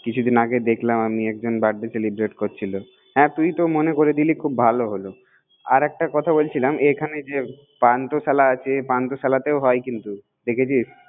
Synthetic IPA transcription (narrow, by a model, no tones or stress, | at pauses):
kit͡ɕʰud̪ʱinaɡed̪ekʰlamamiɛk̚d͡ʑonbaɖːeselibɾeʈkoɾt͡ɕʰilo | ɦɛ̃t̪ujt̪omonekoɾed̪ilikʰubbʱaloɦolo | aɾɛk̚ʈakɔt̪ʰabolt͡ɕʰilamekʰaned͡ʑe | pant̪osalaat͡ɕʰepant̪osalat̪eoɦɔjkint̪u | d̪ekʰet͡ɕʰiʃ